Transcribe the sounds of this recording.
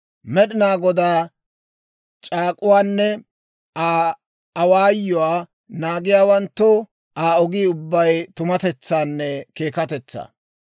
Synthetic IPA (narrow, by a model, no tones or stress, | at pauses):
mɛɗɪnaːɡɔd̪aː | t͡ʃʼaːkʼʊwaːnːɛ | aː | waːjːɔwaː | naːɡɪjaːwɐnt̪ːɔ | ʔaːɔɡiːʊbːɐjt̪ʊmɐt̪ɛt͡sːaːnːɛke̞ːkɐt̪ɛt͡sːa̰ː